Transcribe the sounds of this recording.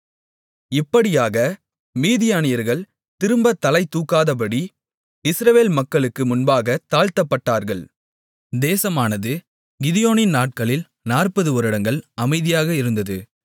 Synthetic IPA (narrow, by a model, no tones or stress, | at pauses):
ɪpːɐɽɪjaːɣɐ | miːðɪjaːnɪjɐɾɣɐɭ | t̪ɪɾɯmbɐt̪ːɐlɐɪt̪ːuːkːaːðɐp̬ɐɽi | ɪsɾɐʋeːlmɐkːɐɭɯkːɯmʊnbaːɣɐt̪aːɻt̪ɐpːɐʈːaːɾɣɐɭ | d̪eːsɐmaːnɐðɯ | ɡɪðɪjoːnɪnnaːʈ̚kɐɭɪl | naːrpɐðɯʋɔɾɯɽɐŋɡɐɭɐmɐɪðɪjaːɣɐɪɾɯnd̪ɐðɯ